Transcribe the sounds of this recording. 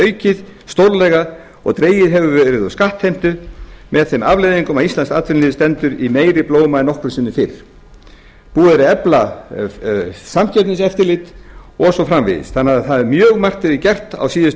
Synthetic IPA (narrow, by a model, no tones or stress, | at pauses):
œːɥcɪðst̪owɾlɛɣa | ɔ̰ɣt̪ɾeːjɪðɦɛvʏvɛɾɪðɔskaht̪hejm̥t̪ʏmɛðθemavleːjðiŋkʏmawist̪anskaːt̪fɪɾnɪːðst̪ɛnt̪ʏɾimeːjɾɪploːwmaɛnɔhkɾʏsɪnːʏfɪɾ̥ | puːðaɾɪɛpla | samcɛt̪nɪsɛft̪ɪɾlɪt̪ɔsɔfɾamvɪ̰ðɪ̰sθanːaðθaðɛɾmjœːɣmar̥t̪ɪɾɪcɛr̥t̪a̰wsiːðɪs